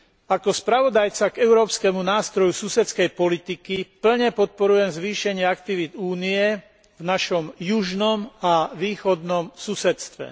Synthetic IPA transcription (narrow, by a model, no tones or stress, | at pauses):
akɔspɾaʋɔd̪ajt͡saɡɛʊɾɔːpskɛmunaːst̪ɾɔjususɛt̪t͡skɛjpɔlit̪ikipl̩ɲɛpɔt̪̚pɔɾujɛmzʋiːʃɛɲɪɛakt̪iʋid̪uːniɛ | vnaʃɔmjuʒnɔmaʋiːxɔd̪nɔmsusɛt̪st̪ʋɛ̰